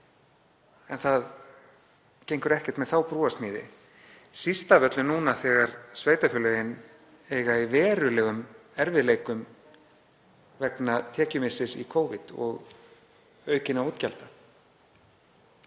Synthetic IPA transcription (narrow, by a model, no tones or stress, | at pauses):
ɛnθað | cejŋkʏɾɛhcɛ̥t̪mɛðθawpɾuːast̪mɪːðɪ̰ | sist̪avœt̪lʏnuːnaθɛːɣaɾsveːjt̪afʏlœɣɪn | ɛːɣaivɛːɾʏlɛːɣʏmɛɾvɪðleːjkʏm | vɛknat̪ʰɛːcʏmɪsɪsḭkʰoːwvɪt̪ɔ̰ɣ | œːɥcɪnauːt̪calt̪a